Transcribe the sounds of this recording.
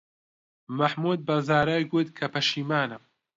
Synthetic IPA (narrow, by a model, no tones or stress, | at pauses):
mɐħmuːd̪̚bɐzaːɾaːjɡut̪kʰɐpʰɐʃiːmaːnɨm